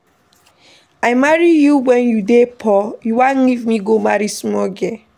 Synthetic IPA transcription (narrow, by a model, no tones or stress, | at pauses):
aɪmaɹijuwɛ̃njudepʰɔjuwãnlivmiɡomaɹismɔɡɛ